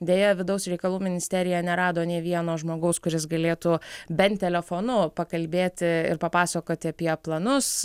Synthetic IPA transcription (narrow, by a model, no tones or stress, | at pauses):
d̪ʲeːjɛʋʲɪd̪ɐʊsɾʲɛɪkɐlˠuːmʲɪnʲɪsʲt̪ʲɛɾʲɪjɛnʲɛɾɑːd̪oːnʲeːʋʲiɛnoːʒmoːɡɐʊskʊɾʲɪsɡɐlʲeːt̪uːbʲɛnt̪ʲɛlʲɛfoːnʊpɐkɐlʲbʲeːt̪ʲɪɪ̰ɾpɐpɑːsɐkoːt̪ʲɪɐpʲiɛplˠɐnʊs